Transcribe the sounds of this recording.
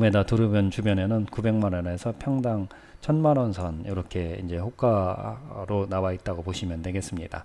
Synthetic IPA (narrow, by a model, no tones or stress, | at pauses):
medatɯɾɯmjʌnt͡ɕubjʌne̞nɯnkube̞ŋmanʌne̞sʰʌpʰjʌŋdaŋ | t͡ɕʰʌnmanʌnsʰʌniɾʌkʰe̞ind͡ʑe̞ɸok͈ʰa | ɾonawait̚t͈aɡopoɕʰimjʌnːe̞ɡe̞s͈ɯmɲida̰